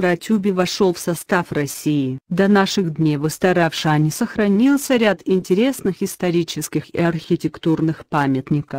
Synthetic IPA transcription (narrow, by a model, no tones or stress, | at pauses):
ɾɐtʲubʲɪvɐʂolˠfsɐst̪afrɐsʲiɪd̪ɐnaʂɨɣd̪ʲnʲevɨst̪ɐɾafʂanʲɪsəxɾɐnʲilˠsʲəɾʲat̪ɪnʲtʲɪɾʲe̞snɨxɪst̪ɐɾʲit͡ɕɪskʲɪxɪ̰ɐrxʲɪtʲɪkt̪urnɨxpamʲɪt̪nʲɪkəf